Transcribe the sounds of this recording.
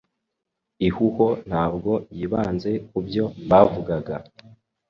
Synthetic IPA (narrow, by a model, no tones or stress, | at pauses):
ihuho̞n̥haːb̚ɡo̞jiβaːnze̞kubjo̞βaːvuɡaɡa